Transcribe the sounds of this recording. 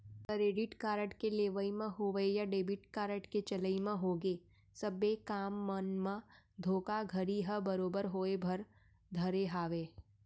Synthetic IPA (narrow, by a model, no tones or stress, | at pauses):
kəɾeːɖɪʈkaːɾəʈkeleːʋəimẽɦoːʋejaɖeːbɪʈkaːɾəʈket͡ʃɐləimẽɦoːɡe | sɐbːekaːmːənmã | d̪ʱoːkaɡʱəɾiɦəbəɾoːbəɾɦoːebʱɐɾ | d̪ʱɐɾeɦaːʋeː